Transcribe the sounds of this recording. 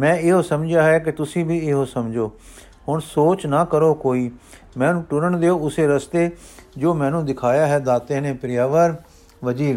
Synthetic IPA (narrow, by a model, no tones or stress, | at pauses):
mɛ̃ːɪɦoːsəmd͡ʒjaːɦɛːk̬ɪt̪ʊsĩːbiːɪɦoːsəmd͡ʒoː | hʊɳsoːt͡ʃnaːkəɾoːkoːiː | mɛ̃ːnũːʈʊɾəɳd̪eːoːʊseːɾəst̪eːd͡ʒoːmɛ̃ːnũːd̪ɪkʰaːjaːɦɛːd̪aːt̪eːnẽːpɾɪjaːʋəɾ | ʋəd͡ʒiːʋ